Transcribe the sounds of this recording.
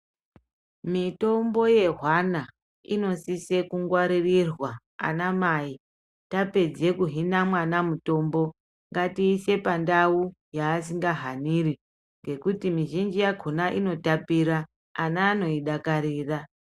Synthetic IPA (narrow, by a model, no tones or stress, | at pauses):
mito̞mbo̞je̞ɦwana | ḭno̞sisekuŋɡwaɾirirwa | a̰namai | tape̞d͡ze̞kuɦinamwanamuto̞mbo̞ | ŋɡatiːse̞pandaujaːs̬iŋɡaɦaniɾi | ŋɡe̞kutimiʒind͡ʒijaɡʱonaʔino̞tapiɾaː | naːno̞iɗakaɾiːra